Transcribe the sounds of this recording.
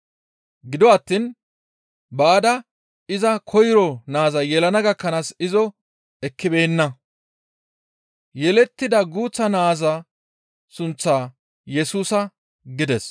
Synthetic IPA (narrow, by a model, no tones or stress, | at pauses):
ɡɪd̪ɔɐt̪ːin | baːd̪ɐ | ɪzɐkʰɔjɾɔnaːzɐjɛlɐnɐɡɐkːɐnaːsɪzɔ | ɛkːɪbeːnːɐ | jɛlɛt̪ːɪd̪ɐɡuːt͡sːɐnaːzɐ | sʊnt͡sːaː | jɛsuːsɐ | ɡɪd̪ɛs